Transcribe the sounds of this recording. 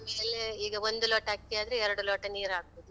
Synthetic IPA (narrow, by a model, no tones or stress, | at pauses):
meːleiːɡɐond̪uloːʈaːɡ̚t̪ijaːd̪ɐɾeɛɾɐɽuloːʈɐniːɾaːɡ̚boːd̪u